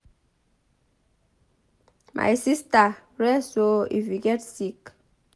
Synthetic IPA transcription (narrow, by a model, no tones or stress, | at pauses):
mʔa̰jsista | ɾɛsoḭfiɡɛtsik